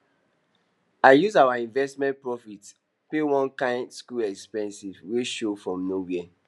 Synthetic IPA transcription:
aɪjuzawaĩnvɛstmɛ̃npɹɔfit | pewɔ̃nkãntskulɛkspɛ̃nsizweʃofɹɔ̃mnowiɛ

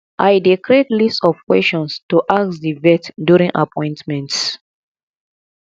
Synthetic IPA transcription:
ʔajdekʰɹetlistɔvkwɛst͡ʃɔ̃nstuʔasdivɛtdjuɹĩŋʔa̰pʰɔ̃ɪ̃ntmɛ̃nts

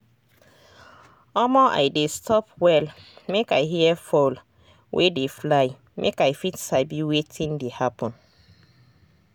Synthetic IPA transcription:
ɔmɔʔa̰jdestʰɔpwɛlmekajɦiɛfɔl | wʔedeflaɪ | mʔḛkajfitsaɪbiwetʰĩndehapʰɔ̃n

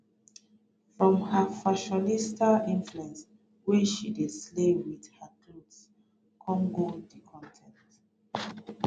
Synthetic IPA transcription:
fɹɔ̃mhafaʃɔnistʰalĩnfluɛ̃ns | wɛʃideslewiðhakʰluds | kʰɔ̃ŋɡodikʰɔ̃ntʰɛ̃nt

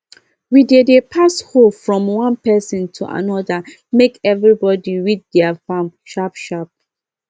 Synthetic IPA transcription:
widedepʰashofɹɔ̃mwãnpɛsɔ̃ntʰuʔa̰nɔdə | mekɛvɹibɔdiɹit̚dɛafãmʃapʃap̚

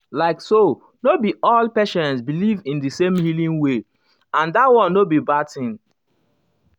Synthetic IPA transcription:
laɪkso | nobiɔlpɛʃɛ̃nsbilivĩndɨsẽmhilĩŋwe | ãndatwɔ̃nːobibatĩn

